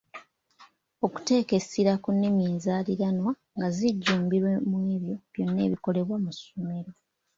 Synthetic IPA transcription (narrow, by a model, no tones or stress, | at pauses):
o̞ku̥te̞ːke̞siɾakunːemiːnzaːliɾanwa | ŋɡaziɟːuːmbiɾwemweːβjo̞βjo̞nːe̞̰ːβiko̞le̞βwamusome̞ɾo̞